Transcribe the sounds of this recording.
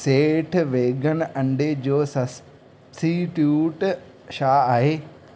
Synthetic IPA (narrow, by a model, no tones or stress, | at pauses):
seːʈʰʋeːɡʱən̆ʔɐ̃ɳɖed͡ʑoːsɐs | siʈjuːʈ | ʃaːaːɦeː